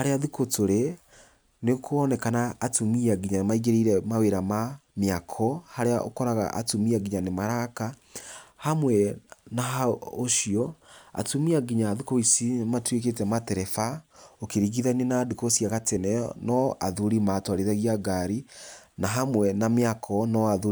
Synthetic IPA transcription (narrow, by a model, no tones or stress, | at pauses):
haɾeaðukotoɾe | nekʰɔnɛkanaːtumiaɡiɲanemaiɡeɾiɾɛmaweɾamameakʰɔhaɾeaʔo̰kɔɾaɣa̰ʔa̰tumiaɡiɲanemaɾaka | hamwɛnaɦaoʃiɔa̰tumiaɡiɲaːðukoisimatwek̬etɛmatɛɾɛfaokeɾiɣiðanenaːdukosijaɣatɛnɛɔ̰nɔʔaðuɾimatwaɾiðaɣiaɡaɾinaɦamwɛnameakʰɔnɔaðu